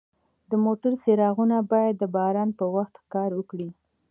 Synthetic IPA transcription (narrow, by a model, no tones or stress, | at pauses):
d̪əmoʈaɾseɾɑɣunabɑjad̪ːəbɑɾɑnpəwaxt̪kɑɾwəkɽi